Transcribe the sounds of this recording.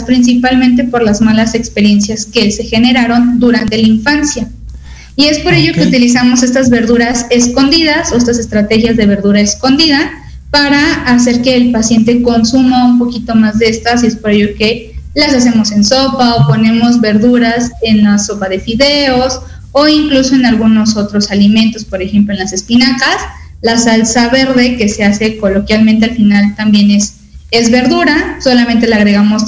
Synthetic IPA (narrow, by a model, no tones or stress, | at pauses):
spɾins̬ipalmẽnt̪̬e̞po̞ɾlazmalase̞kspe̞ɾje̞nsjaske̞se̞xe̞ne̞ɾaɾo̞nd̪uɾant̪e̞laiɱfansja | ie̞spo̞ɾe̞ʝo̞ke̞ut̪ilis̬amo̞s̬e̞st̪azβe̞ɾðuɾase̞sko̞nd̪iðaso̞est̪as̬e̞st̪ɾat̪e̞xjazðe̞βe̞ɾðuɾaesko̞nd̪iða | paɾaːs̬e̞ɾke̞ːlpasje̞nt̪e̞ko̞nsumaumpo̞kit̪o̞mazðe̞st̪as̬ie̞spo̞ɾe̞ʝo̞ke̞lasas̬e̞mo̞se̞nso̞paopo̞nẽ̞mo̞zβe̞ɾðuɾase̞nlaso̞paðe̞fiðe̞o̞s | o̞iŋkluso̞enalɣuno̞so̞t̪ɾo̞salimẽ̞nt̪o̞spo̞ɾe̞xe̞mploe̞nlase̞spinakas | lasalsaβe̞ɾðe̞ke̞se̞ase̞ko̞lo̞kjalment̪ealfinalt̪ambje̞nes | e̞zβe̞ɾðuɾaso̞lamẽnt̪e̞laɣɾe̞ɣamo̞s